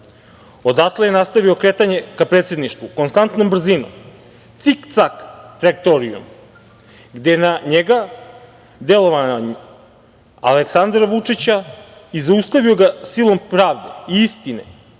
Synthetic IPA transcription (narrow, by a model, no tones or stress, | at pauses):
o̞d̪at̪lejenast̪aʋio̞kɾe̞t̪aɲe̞kapɾet̪se̞d̪niʃt̪vukonst̪ant̪no̞mbr̩zino̰m | t̪sikt̪sakt̪ɾak̚t̪oɾiṵm | ɡd̪enaɲeɡa | d̪e̞lˠo̞ʋanoɲ | a̰leksand̪ɾaʋut͡ʂit͡ɕaizaust̪aʋio̞ɡasilˠo̞mpɾaːʋd̪ḛiist̪inḛ